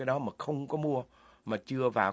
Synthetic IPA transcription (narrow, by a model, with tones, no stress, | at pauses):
aː˨˦jɗɔ˨˦maː˨˩xə˧wŋ͡mkɔ˨˦mu˧ə | maː˨˩t͡ɕɨ˧əvaː˨˩